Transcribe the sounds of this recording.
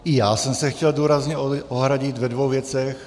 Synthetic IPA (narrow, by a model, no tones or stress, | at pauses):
ʔijaːsɛmsɛxcɛlduːɾazɲɛoʔoɦɾaɟɪt̪vɛdvowvjɛt͡sɛx